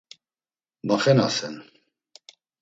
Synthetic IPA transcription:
maχɛnasɛn

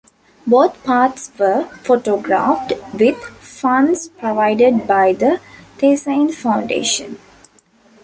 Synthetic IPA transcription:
boːt̪ʰpaːʈsʋəfoːʈoːɡɾa̰ːfʈʋɪd̪fʌ̃nspɾoʋaɪɖəɖbaɪd̪ət̪ʰeːsãɪ̃nfãʊ̃ɳɖḛːʃə̰̃n

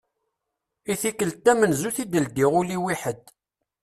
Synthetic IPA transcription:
iθikəlt̪ːæmənzuθid̪əld̪iʁuliwiħəd̪

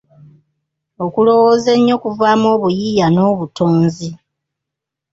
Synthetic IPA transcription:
o̞kulo̞woːze̞ɲːo̞kuvaːmo̞ːβujijano̞ːβutoːnzi

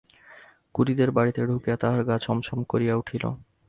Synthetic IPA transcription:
kuɾid̪eɾbaɽit̪eɖʱukejat̪aɦaɾɡat͡ɕʰɔmʃɔmkoɾijauʈʰilo̰

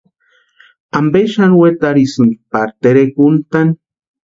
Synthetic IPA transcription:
ambeʃanwet̪aɾisɨnɡ̪ipaɾt̪eɾekunt̪an

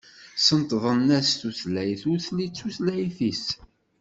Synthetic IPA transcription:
sənt̪ðˤənːæsθuθlæjθʊɾθlit͡sːuθlæjθis

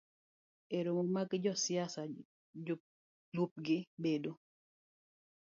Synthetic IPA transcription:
eɾoŋomakɪd͡ʒɔsjasa | lup̚ɡɪbedo

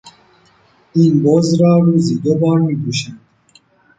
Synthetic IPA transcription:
inbɔzɾaːɾuzid̪obaːɾnibuɕi

